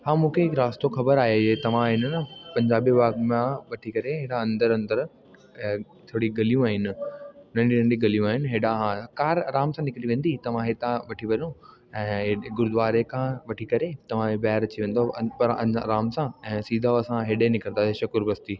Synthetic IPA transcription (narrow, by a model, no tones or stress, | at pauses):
ɦãːmũːkʰeɦɪkɾaːst̪oxɐbəɾaːɦeet̪ɐʋ̤ãɦɪnnəpɐ̃ɲd͡ʑaːbibaːɡmãʋɐʈʰikɐɾeɦeːɗãɐ̃nd̪əɾɐ̃nd̪əɾ | t̪ʰoːɽiɡɐlijũaːɦɪnɪnɐ̃ɳɖinɐ̃ɳɖiɡɐlijũaːɦɪnɦeːɗãɦãkaːɾɾaːmsãnɪkɾiʋẽːnd̪it̪ɐʋ̤ãɦet̪ãʋɐʈʰiʋɐɗõ | ɛ̃ːɦɡʊɾd̪ʋaːɾekʰãʋɐʈʰikɐɾet̪ɐʋ̤ãebaːɦɾɐt͡ɕiʋẽːnd̪opɐɾɐ̰ɾaːmsãɛ̃ːsiːd̪ʱaɐsãɦeːɗenɪkəɾ̃naːeʃɐkʊɾbɐst̪iː